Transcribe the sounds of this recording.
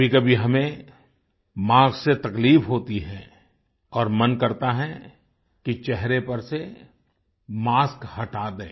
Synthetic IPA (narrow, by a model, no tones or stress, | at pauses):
ikɐbʱiɦɐmẽ | mãːɡset̪ɐkliːbɦoːt̪iɦɛ̃ | ɔːɾmɐnkɐɾt̪aɦɛ̃ | kit͡ʃɛɦɾepɐɾse | maːskhɐʈaːd̪eː